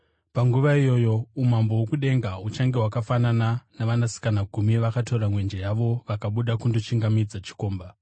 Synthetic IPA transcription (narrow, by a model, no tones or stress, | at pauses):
paŋɡuʋaijo̞jo̞umambowokuɗe̞ŋɡaut͡ʃaŋɡewakafanananaʋanasi̥kanaɡʱumiʋakato̞ɾamwe̞nd͡ʒejaʋo̞ʋakaɓuɗakundot͡ʃiŋɡamid͡zat͡ʃi̥ko̞ːmba